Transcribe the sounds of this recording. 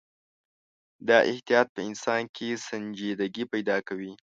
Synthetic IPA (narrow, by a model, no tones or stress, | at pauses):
d̪ɑʔɪht̪ijɑt̪̚pəɪnsɑnkʰesand͡ʒed̪aɡipajd̪ɑkawi